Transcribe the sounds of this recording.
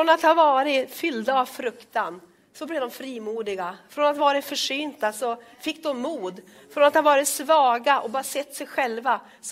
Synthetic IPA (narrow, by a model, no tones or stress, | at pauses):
fɾɔnat̪havɑːɾɪfʏld̪aːvfɾɵkt̪an | sɔblɛvd̪ɔmfɾiːmuːd̪ɪɡafɾɔnat̪vɑːɾɪt̪fœʂyːnt̪asɔ | fɪkːd̪ɔmːuːd̪ | fɾɔnat̪havɑːɾɪt̪svɑːɡaʔɔbɑːɾasɛt̪ːsɛjɧɛlva | s